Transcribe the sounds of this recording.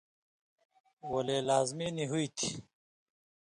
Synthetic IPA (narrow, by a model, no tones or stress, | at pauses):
wɐleːlaːzminiɦuit̪ʰi